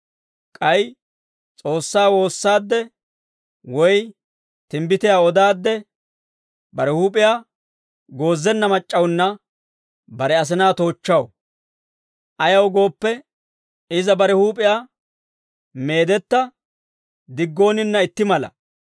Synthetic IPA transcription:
kʼɐj | t͡sʼo̞ːsːaːwo̞ːsːaːd̪ːɛ | wɔj | t̪ɪmbɪt̪ɪjaːɔd̪aːd̪ːɛ | bɐɾɛhuːpʼɪjaː | ɡo̞ːzːɛnːɐmɐt͡ʃʼːɐwnːɐ | bɐɾɛɐs̬ɪnaːt̪o̞ːt͡ʃːɐw | ʔɐjɐwɡo̞ːpːɛ | ɪzɐbɐɾɛhuːpʼɪjaː | me̞ːd̪ɛt̪ːɐ | d̪ɪɡːo̞ːnɪnːɐɪt̪ːɪmɐlɐ̰

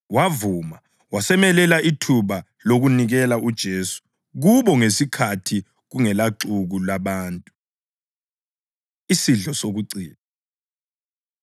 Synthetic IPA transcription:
wavuma | wasɛmɛlɛlaʔitʰuβa | loɣuniɣɛlaʔud̥ʒ̥ʱeːsu̥ | ɣuβɔŋesikʰatʰi | ɣuŋɛlaǁuɣulaβaːntʼu | isiɮɔsoɣuǀiːna

